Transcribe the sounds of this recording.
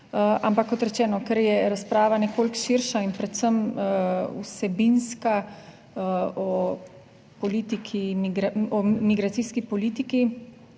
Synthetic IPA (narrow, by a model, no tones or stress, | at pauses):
a̰mpakːɔt̪ɾɛt͡ʃɛːnɔkɛɾjɛɾaspɾaːʋanɛkoːlkʃiɾʃainpɾɛt̪səm | ṵsɛbinska | ɔ | pɔliːt̪ikʰimiɡɾɔmiɡɾat̪siːskipɔliːt̪iki